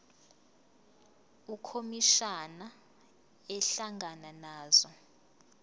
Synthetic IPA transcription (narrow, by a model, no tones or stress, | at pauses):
ukʰomiʃana | ɛɬaŋɡananaːzɔ